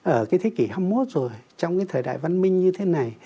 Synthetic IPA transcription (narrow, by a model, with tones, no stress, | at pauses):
ʔəː˧˩kaː˨˦jt̪ʰe˨˦ki˧˩ha˧mmo˦˥t̚zo˨˩jt͡ɕɔ˧wŋ͡mkaː˨˦jt̪ʰəː˨˩jɗa̰ː˧˨jva˧nmï˧ŋ̟ɲɨ˧t̪ʰe˨˦na˨˩j